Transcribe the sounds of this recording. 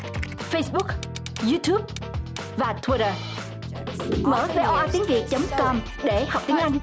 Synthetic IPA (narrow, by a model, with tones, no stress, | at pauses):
fə˧jsɓʊ˦˥k̚ | zu˧t̪ʰju˦˥p̚ | vaː˨˩t̪ʰwi˧ɾə˧˩ | məː˧˩ve˧ʔɔ˧ʔaː˧t̪i˨˦ŋvḭ˧˨t͡ɕə˨˦wŋ͡mkɔ˧m | ɗe˧˩ha˨˩wk͡p̚t̪i˨˦əŋʔa˧jŋ̟